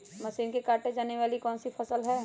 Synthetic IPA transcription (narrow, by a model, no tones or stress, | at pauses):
mɐʃiːnkekaːɾʈed͡ʒaːneʋaːlikɔːnsipʰɐsəlɦɛː